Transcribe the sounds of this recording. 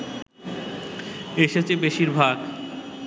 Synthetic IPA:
eʃat͡ɕebeʃiɾbʱaɡ

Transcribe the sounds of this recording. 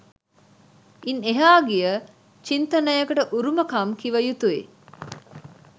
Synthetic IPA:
ineɦaːɡijə | t͡ʃint̪ɐnɐjɐkɐʈəʔuɾumɐkɐmkiʋɐjut̪uḛ

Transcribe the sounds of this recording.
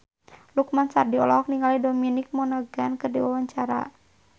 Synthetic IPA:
lukmansa̰rdiɔ̰lɔɦɔk̚niŋalidɔminik̚mɔnɔɡankɨrdiwawaɲt͡ʃaɾa̰

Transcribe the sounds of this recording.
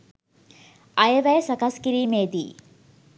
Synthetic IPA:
ɐjɐʋɐjsɐkɐskiɾiːmeːd̪i

